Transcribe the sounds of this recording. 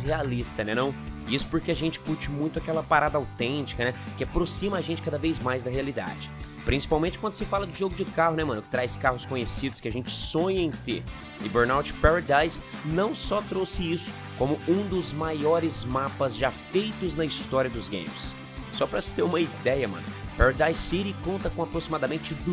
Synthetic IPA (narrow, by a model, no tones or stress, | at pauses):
healist̪ɐnɛnɐ̃w̃isʊ̥poɾkeaʒẽnt͡ʃɪ̥kuɾt͡ʃɪmũj̃t̪ʊakɛlɐpaɾad̪ɐawt̪ẽt͡ʃi̥kɐnɛkɪapɾosĩmɐaʒẽnt͡ʃɪ̥kad̪ɐvejzmajzd̪ɐɦealid̪a̰d͡ʒɪ | pɾĩsi̥pawmẽnt͡ʃɪkwɐ̃nd̪ʊsɪfalɐd̪ʊʒoɡʊd͡ʒɪkaɦʊnɛmɐ̃nʊkɪ̥t̪ɾajskaɦʊskõɲesid̪ʊskɪaʒẽnt͡ʃɪ̥sõɲɐẽj̃t̪ḛɾ | ɪ̰beɾnawt͡ʃɪ̥paɾad̪ajsnɐ̃w̃sɔt̪ɾowsɪisʊ̥ | kõmʊũd̪ʊzmajɔɾɪzmapɐzʒafejt̪ʊznɐist̪ɔɾiɐd̪ʊzɡḛ̃j̃mɪs | sɔpɾɐsɪ̥t̪eɾũmɐid̪ɛjɐmɐ̰̃nʊpaɾad̪ajsːiɾikõnt̪ɐkõapɾosimad̪ɐmẽt͡ʃɪd̪u